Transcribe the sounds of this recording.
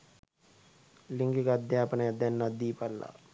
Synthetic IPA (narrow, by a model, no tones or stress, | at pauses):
lɪ̃ŋɡikad̪jaːpneɐd̪jɐnːad̪iːpalːa̰